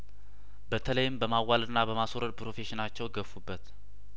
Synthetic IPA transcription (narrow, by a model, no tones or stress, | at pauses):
bət̪ʰələjɪmbəmawːalɨnːabəmasoɾəd̪pɾo̞fe̞ʃɪnat͡ʃːɛwɡəfːubːət̪